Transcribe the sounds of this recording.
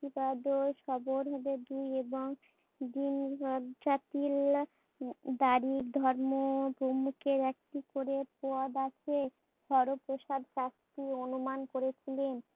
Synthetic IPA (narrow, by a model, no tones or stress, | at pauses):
ibaɖoʃɔboɾɦobed̪ieboŋ | ɖind͡ʑat̪il | d̪aɾiɾd̪ʱɔɾmopɾomukeɾɛk̚ʈikoɾepoad̪akʰe | ʃʰɔɾopɾoʃad̪ʱʃast̪ionumankoɾet͡ɕʰilen